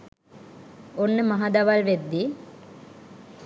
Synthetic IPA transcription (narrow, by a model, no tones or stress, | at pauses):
onːəmɐɦɐd̪ɐʋɐlʋed̪ːi